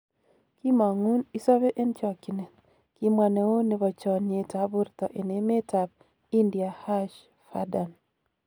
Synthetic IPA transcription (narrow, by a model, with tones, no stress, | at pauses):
ki˦ma˨ŋu˦ni˦sɔ˦βe˦ʔe˦nt͡ʃɔ˨ki˨ne˨t | ki˦mwa˨ne˨o˦ne˨βɔ˨t͡ʃɔ˨ne˨ta˨bʊ˦ɾt̪ɔ˨ʔe˨ne˨˦me˦ta˨b̚ | i˦ndi˨a˨ha˦ʃ | fa̰˦da˨n